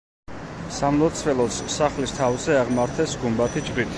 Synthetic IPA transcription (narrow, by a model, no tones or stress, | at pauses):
samlˠɔt̪sʰvɛlˠɔt̪ssaχlist̪ʰavzɛaʁmaɾt̪ʰɛsɡumbat̪ʰid͡ʒbit̪ʰ